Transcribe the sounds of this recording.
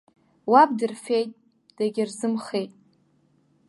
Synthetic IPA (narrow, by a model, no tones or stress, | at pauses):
wabdɨrfejtʼ | d̥aɡʲɪrzɨmχejtʼ